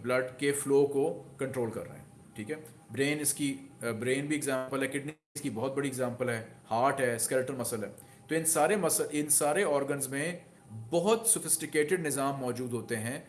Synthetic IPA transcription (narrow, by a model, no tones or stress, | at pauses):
blɐɖkefloːkokɐ̃ɳʈɾoːlkɐ̰ɾːɐ̰ɦeɦɛ̃ | ʈʰiːkɦɛ | bɾeːnɪskibɾeːnbʱiɪɡzãːmpəlɦɛːkɪʈni | skibɔɦʊt̪̚bɐɽiɪɡzãːmpəlɦɛːhaːɾʈɦɛːskɛlʈəɾmɐsəlɦɛː | t̪oɪnsaːɾemɐsəʔɪnsaːɾeɔːɾɡənzmẽ | bɔɦʊt̪sʊfɪsʈɪkeːʈɪɖnɪzaːmːɔːd͡ʒuːd̪ɦoːt̪eɦɛ̃ː